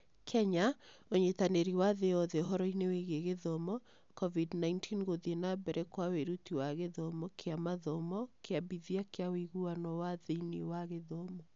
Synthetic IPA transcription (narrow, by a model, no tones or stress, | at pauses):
kʰɛɲaoɲetaneɾiwaðeɔðɛoɦɔɾɔineweɣeɣeðɔmɔ | kɔvidnaintʰinɣoðienabɛɾʔɛkwaweɾutiwaɣeðɔmɔkʰeamaðɔmɔkeabiðiakeawiɣuanɔwaðeiniwaɣeðɔmɔ